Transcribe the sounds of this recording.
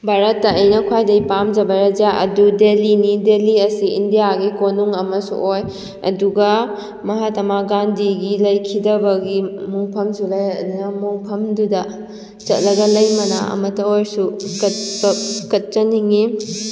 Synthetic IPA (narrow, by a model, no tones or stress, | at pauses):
bʱaɾɐtːɐːjnɐkʰwajdɐipamd͡ʒɐbɐɾɐd͡ʒaɐ̰dudelinideliɐsiindijaɡikonuŋɐmɐsṵʔoj | ɐ̰duɡɐ | mɐɦatɐmaɡandiɡilɐjkʰidɐbɐɡimuŋpʰɐmsulɐjɐdunɐmuŋpʰɐmdudɐ | t͡ʃɐt̚lɐɡɐlɐjmɐna̰ɐ̰mɐtːɐojsukɐt̚bɐkɐt̚t͡ʃɐniŋi